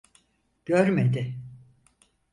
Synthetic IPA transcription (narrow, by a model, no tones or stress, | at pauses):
ɟ̥øɾmed̪ɪ